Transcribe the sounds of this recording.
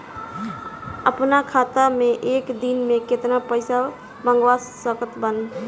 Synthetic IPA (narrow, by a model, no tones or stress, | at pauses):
əpnakʰaːt̪amẽʔeːkd̪inmẽket̪napəɪsa | bə̃ŋɡwasːəkət̪bən